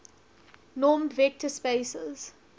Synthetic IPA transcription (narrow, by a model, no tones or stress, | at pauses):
nɔːmdvɛk̚tʰəspeɪsəz̥